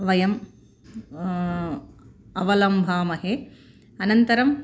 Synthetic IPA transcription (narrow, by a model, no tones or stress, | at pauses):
ʋɐjɐm | ɐʋɐlɐmbʱaːmɐɦe | ɐnɐnt̪ɐɾɐm